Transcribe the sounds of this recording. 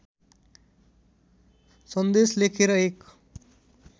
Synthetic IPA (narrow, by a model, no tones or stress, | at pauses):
sənd̪eslekʰeɾʌek